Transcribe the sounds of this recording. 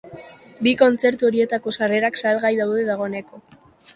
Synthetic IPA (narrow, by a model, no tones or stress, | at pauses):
biko̞nt͡se̞ɾt̪uo̞ɾie̞t̪ako̞sare̞ɾaksalɣajðawðe̞ðaɣ̞o̞ne̞ko̞